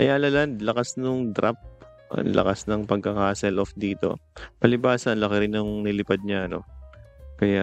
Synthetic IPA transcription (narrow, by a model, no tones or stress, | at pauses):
ʔɐ̰jaːlɐlɐnd̪lɐkasnʊŋd̪ɾʔa̰p̚ | ʔɐ̰nlʔɐ̰kasnɐŋpɐɡ̚kɐkaːsɛlofd̪iːt̪o̞̰pɐlɪbaːsɐnlɐkɪɾɪnʊŋnɪlɪpad̪̚ɲaʔɐno̞̰ | kɐja